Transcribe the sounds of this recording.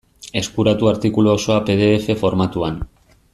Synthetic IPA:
e̞skuɾat̪uaɾt̪ikuloːso̞ape̞ð̞e̞ːfe̞fo̞ɾmat̪uan

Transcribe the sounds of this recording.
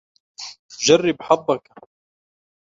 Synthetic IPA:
td͡ʒarːɪbħɑb̪ˤːɑk

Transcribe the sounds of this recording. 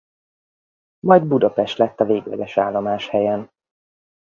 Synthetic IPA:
mɒjd̪bud̪ɒpɛʃt̪lɛt̪ːɒveːɡvɛ̰dɛʃaːlːomaːʃhɛjɛn

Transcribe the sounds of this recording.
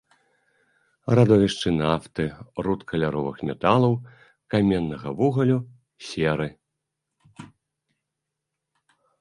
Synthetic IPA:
rad̪ɔvʲiʂt͡ʂɨnaft̪ɨrut̪kʰɐlʲaɾɔvɨxmʲɛt̪alˠɐw | kamʲɛnːɐɣɐvuɣɐlʲu | sʲɛɾɨ

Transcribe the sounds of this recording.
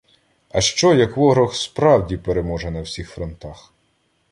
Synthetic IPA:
ɐʃt͡ʃɔjɐkʋɔɦɾɔxspɾɑwdʲipeɾemɔʒɛnɐwsʲixfɾɔnt̪ɑx

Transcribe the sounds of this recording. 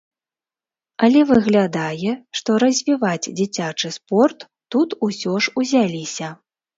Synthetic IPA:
ɐlʲɛvɨɣlʲad̪ajɛʂt̪ɔɾɐzʲvʲivad͡zʲd͡zʲit͡sʲat͡ʂɨspɔrt̪ːut̪usʲɔʂuzʲalʲisʲɐ

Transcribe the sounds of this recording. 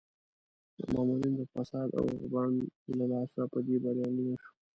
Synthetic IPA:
d̪ə̰mɑːmuɾind̪əfasɑːd̪a̰wʊ̰ʁbɑnlalɑːsapəd̪ebaɾjɑnenaʃu̥

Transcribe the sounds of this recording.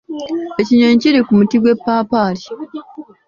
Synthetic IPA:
eciɲoɲciɾikumutiɡwe̞pːaːpaːɾi

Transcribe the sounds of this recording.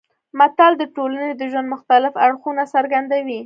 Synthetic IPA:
mat̪ald̪əʈolaned̪əʒwand̪mʊxt̪alɪfaɽxunasaɾɡand̪awi

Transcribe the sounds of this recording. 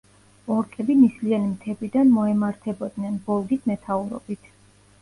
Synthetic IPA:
ɔɾkʼɛbinislianimt̪ʰɛbid̪anmɔɛmaɾt̪ʰɛbɔd̪nɛnbɔlˠɡismɛt̪ʰauɾɔ̰bit̪ʰ

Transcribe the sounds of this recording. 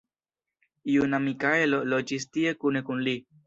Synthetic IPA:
junamikaelolod͡ʒistiekunekunli

